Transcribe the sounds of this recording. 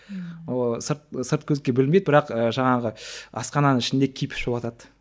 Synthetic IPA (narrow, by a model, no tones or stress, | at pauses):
səɾt̪səɾt̪̚kʲʰɵzkʲe̞bɪlmed̪bɪɾɑqəʒɑɴɑʁəɑ̰sqɑnɑnəŋɪʃɪnd̪ekʲʰijpʰɪ̥ʃobɑt̪ɑd̪